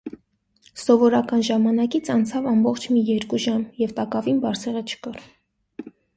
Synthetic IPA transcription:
sɔvɔɾɑkɑnʒɑmɑnɑkit͡sʰɑnt͡sʰɑvɑmbɔχt͡ʃʰmijɛɾkuʒɑmjɛvt̪ɑkɑvinbɑɾt͡sʰɛʁət͡ʃʰə̥kɑr

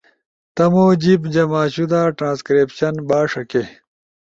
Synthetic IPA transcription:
t̪ɐmoːd͡ʑibd͡ʑɐmaːɕud̪aːʈɾãːnskɾeːpɕɐnbaːʂɐke

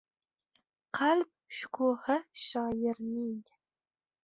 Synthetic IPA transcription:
qʰalp̚ʃʊ̥kʰuhɪʃɒjɪɾnɪŋ

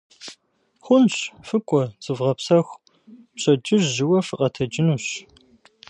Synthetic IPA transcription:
χʷʊnɕfɨkʷʼɔt͡sʼɨvʁɐpsɐxʷ | pɕʼɐd͡ʒɪrʑɪwɐfɨqʼɐtʰɐd͡ʒɪnuːɕ

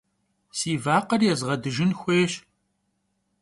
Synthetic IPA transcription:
siːvaːqɐrjɛzʁɐdɨʒɪnxʷeːɕ

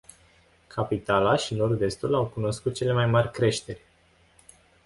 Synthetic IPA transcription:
kʰapit̪alaʃino̞rd̪e̞st̪ulawkuno̞skut̪̚t͡ʃe̞le̞majmarʲkɾe̞ʃt̪e̞rʲ

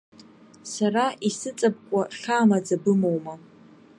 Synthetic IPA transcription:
saraisɨt͡sʼab̚kʷʼarχʲaːmad͡zabɨmowma

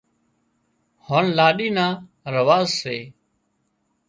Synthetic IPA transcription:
hoːnlaːɗiːnaː | ɾəʋaːzseː

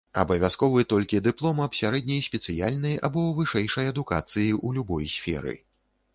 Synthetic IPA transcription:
ɐ̰bɐvʲaskɔvɨt̪ɔlʲkʲid̪ɨplˠɔmɐpsʲaɾɛd̪̚ʲnʲɐjsʲpʲɛt̪sɨjalʲnɨja̰bɔvɨʂɛjʂɐjɐd̪uka̰t̪sɨjiʔulʲubɔjsʲfʲɛ̰ɾɨ̰

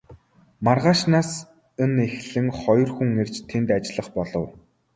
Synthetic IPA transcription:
marʁaːʃnaːs | ɘ̆nexɮɘ̆ŋχɔj̆rxuŋer̥t͡ɕt̪ʰent̪at͡ɕɪɮə̆χpɔɮɞ̆w

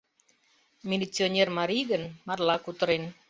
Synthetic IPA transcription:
milit̪t͡sionɛrmaɾiɡənmarlakut̪ɾen

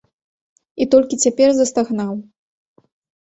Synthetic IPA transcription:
it̪ɔlʲkʲit͡sʲapʲɛrzɐst̪aɣnaw

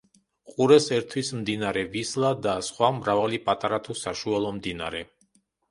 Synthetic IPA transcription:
qʼuɾɛsɛɾt̪ʰwismd̪inaɾɛvislˠad̪asχwamɾavalipʼat̪ʼaɾat̪ʰusaʃualˠɔmd̪ina̰ɾɛ

